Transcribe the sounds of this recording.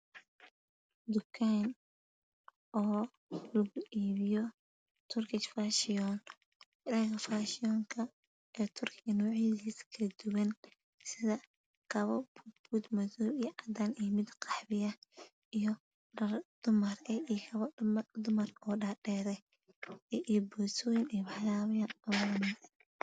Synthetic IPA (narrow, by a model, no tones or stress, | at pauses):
d̪ʊkʰan | ʔɔː | lɐɣʊʔiːβɪjɔ | t̪ʰʊrkʰɪt͡ʃfaːʃɪɔn | ɾɛːɣɐfaːʃɪɔːŋkʰɐ | ɛːt̪ʰʊrkʰɪɣɐnɔːʕiðiːskʰɐlɐd̪̥ʊwɐn | sɪðɐ | kʰɐβɐbubuːd̪mɐðɔːijʕɑd̪aːnɛmɪd̪qʰɑ̥ħbɪjɐ | ijɔ | ɐd̪̥ʊmɐrɛikʰɐβɐmd̪ʊmɐrɔːɖaːɖɛːɾɛ | ɛʔibɔːsɔːjɪnːwɑħlaːβɐjaːnɐwmɐɛ